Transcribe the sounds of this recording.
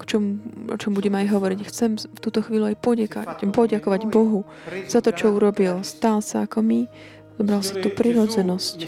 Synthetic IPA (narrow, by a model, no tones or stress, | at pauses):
kt͡ʃɔmuɔ̰t͡ʃɔmbuɟɛmɛajɦɔʋɔɾiɟxt͡sɛmft̪uːt̪ɔxʋiːluajpɔɟɛka̰pɔɟakɔʋaɟbɔɦu | z̥at̪ɔt͡ʃɔuɾɔbilst̪alsaakɔmi | zɔbɾalsat̪uːpɾiɾɔd͡zɛnɔsc